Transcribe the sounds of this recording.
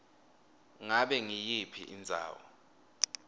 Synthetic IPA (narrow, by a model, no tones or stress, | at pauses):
ŋaɓɛŋijipʰḭʔind͡zʱa̰ːwɔ̰